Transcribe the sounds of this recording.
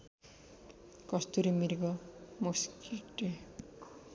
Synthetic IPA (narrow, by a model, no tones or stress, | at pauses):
kʌst̪uɾimirɡʌmuskʰiʈe